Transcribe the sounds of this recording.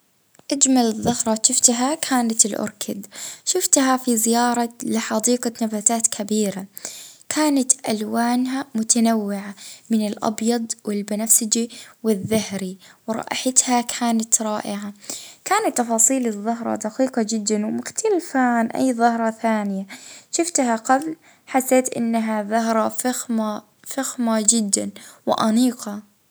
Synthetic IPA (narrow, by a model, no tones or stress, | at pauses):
ʔad͡ʒmalɨðˤːɑhɾˤɑʃɪft̪ɦakʰaːnat̪ɪlʔʊ̰ɾˤkʰɪd̪ʃʊft̪ɦafizɪjɑːɾˤɑlɪħɑd̪iːqɑnabaːt̪aːt̪kʰabiːɾakʰaːnat̪ʔalwaːnɦamʊt̪anawːɪʕamɪnɪlʔɑ̰bjɑd̪ˤwɪlbɪnafsɪd͡ʒiwɪðːahɾiwɾˤɑ̰ʔħat̪hakʰaːnat̪ɾˤɑːʔɪʕakaːnat̪ːɑfɑːsˤiːlɨðˤːɑɦɾˤɑ̰d̪aqiːqɑd͡ʒɪd̪ːanwmʊxt̪ʰalfanʔa̰jːðˤɑhɾˤɑθaːnɪjaʃɪft̪haqabl | ħasːeːt̪ʔɪ̰nːaɦaðˤɑɦɾˤɑfaxma | faxmad͡ʒɪd̪ːa̰nwɪʔaniːqɑ